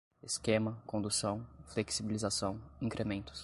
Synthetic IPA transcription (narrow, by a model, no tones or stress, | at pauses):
eskẽmɐkõnd̪usɐ̃w̃fleksibilizasɐ̃w̃ĩkɾʔemẽnt̪ʊ̥s